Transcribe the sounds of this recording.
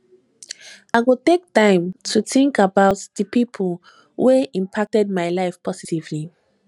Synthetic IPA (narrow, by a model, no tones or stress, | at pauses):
aɪɡotek̚tãɪ̃mtʰuθĩŋkəbaʊtðəpʰipʰəlˠ | weĩmpʰak̚tɛd̚maɪlaɪfpʰɔsitivli